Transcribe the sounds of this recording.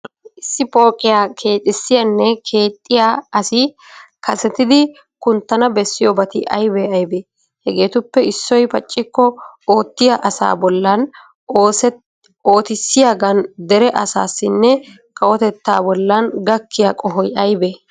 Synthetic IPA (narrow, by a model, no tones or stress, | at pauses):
ʔɪsːɪpo̞ːkʼɪjaːkʰe̞ːt̪ʼɪsːɪjɐnːɛkʰe̞ːt̪ʼːɪjaɐsɪ | kɐsɛt̪ɪd̪ɪ | kʊnt̪ːɐnɐbɛsːɪjoːbɐt̪ɪʔɐ̰jbeɐjbeː | hɛɡeːt̪ʊpːɛɪsːɔjpɐt͡ʃʼːɪkːɔoːt̪ːɪjaʔɐsa̰ːbɔlːɐn | oːt̪ɪsːɪjaːɡɐnd̪ɛɾɛʔɐsa̰ːsːɪnːɛ | kɐwɔt̪ɛt̪ːa̰ːbɔlːɐnɡɐkːɪjaːkʼɔɦɔjɐjbe